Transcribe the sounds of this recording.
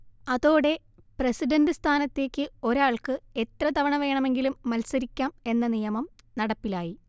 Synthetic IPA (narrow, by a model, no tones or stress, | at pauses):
ɐðo̞ːɽe̞ | presiɖɐndɨst̪ʰaːnɐt̪ːe̞ːkʲːɨo̞ɾaːɭkɨe̞t̪rɐt̪ɐʋɐɳɐʋe̞ːɳɐme̞ŋɡilumːɐlsɐɾikʲːaːme̞nːɐnijɐmɐmnɐɽɐpːilaːji